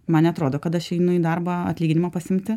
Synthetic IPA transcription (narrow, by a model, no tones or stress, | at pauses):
mɐnnʲɛɐt̪ɾoːd̪oːkɐt̪ɐʃɛɪnʊid̪ɐrbɐɐ̰t̪ʲlʲiːɡʲɪnʲɪmɐpɐsʲɪmʲt̪ʲɪ